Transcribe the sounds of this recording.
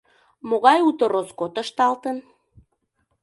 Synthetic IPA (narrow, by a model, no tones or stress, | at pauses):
moɣɑjut̪oɾoskot̪əʃt̪ɑlt̪ən